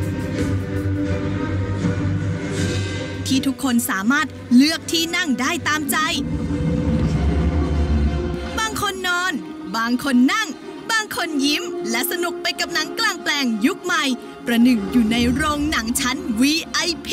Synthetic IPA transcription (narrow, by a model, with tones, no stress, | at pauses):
t̪ʰiː˥˩t̪ʰu˦˥kʰːo˧nsaː˩˦maː˥˩t̪̚lɯ˦˥˩ək̚t̪ʰiː˥˩na˥˩ŋdaː˥˩jt̪aː˧mt͡ɕa˧j | baː˧ŋkʰo˧nːɔː˧n | baː˧ŋkʰo˧nːa˥˩ŋ | baː˧ŋkʰo˧nji˦˥mlɛ˦˥ʔsa˧nu˨˩k̚pa˧jka˨˩p̚na˩˦ŋklaː˧˩ŋplɛː˧ŋju˦˥k̚ma˨˧j | pɾa˧nɯ˨˩ŋjuː˨˩na˧jɾoː˧ŋna˩˦ŋt͡ɕʰa˦˥nwiː˧ʔa˧jpʰ